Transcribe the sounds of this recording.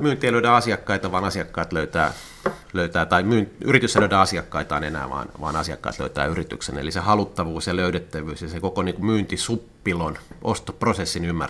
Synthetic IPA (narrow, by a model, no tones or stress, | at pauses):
myːnt̪ˑieiløyɾæɑsiɑkːɑit̪ɑʋɑːnɑsiɑkːɑit̪løyt̪æː | løyt̪æːt̪ɑimyːnyrit̪ysːæløydæɑsiɑkːɑit̪ɑːnenæ̰ːʋɑ̰ːnʋɑ̰ːnɑsiɑ̰kːɑ̰ːt̪lø̰yt̪æ̰ːyrit̪y̰ksḛnḛlisehɑlut̪ːɑʋuːsjɑløyɾet̪ːæʋyːsjɑsekokoniːŋkumyːnt̪isupːilonʔost̪oprosesːinymːæ̰r